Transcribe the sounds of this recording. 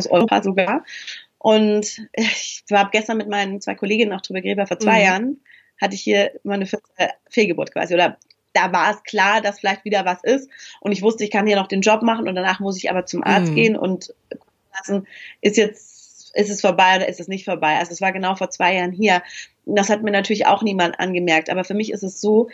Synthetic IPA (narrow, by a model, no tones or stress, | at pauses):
sʔɔ̰ʏpʰa̰ːzoɡaːɐʔʊntʔv̥aːbɡ̥ɛstɐnmɪtmaɪnəmt͡sv̥aɪkʰoleːɡɪnənaʊd̥ʁyːbɐɡʁeːbafoɐt͡sv̥aɪjaːʁən | hatəɪçhiːɐmanəfɪɐtəfeːlɡəbʊɐtkv̥a̰ːziʔoːdɐ | d̥avaːɐɛskʰl̥aːɐdasfɪlaɪçtv̥iːdɐvasʔɪstʔʊntɪçv̥ʊstəɪçkʰanhiːɐnɔχd̥eːnd͡ʒɔpmaχn̩ʊ̰nt̚d̥anaːχmʊs̬ɪçʔa̰ːbɐt͡sʊmʔa̰ɐt͡st̚ɡ̥eːənʔʊ̰nt | kʰʊkn̩lasn̩ʔɪstjɛt͡s | ʔɪstɛsfoːɐbaɪʔoːdɐʔɪstɛsnɪçtfoːɐbaɪʔalzodasv̥aːɐɡənaʊfoːɐt͡sv̥aɪjaːʁənɦiːɐ | d̥ashat̚miːɐnatʰyːɐlɪça̰ʊxniːmantʔa̰nɡəmɛɐk̚tʔa̰ːbɐfyːɐmɪçɪ̰stɛsz̥oː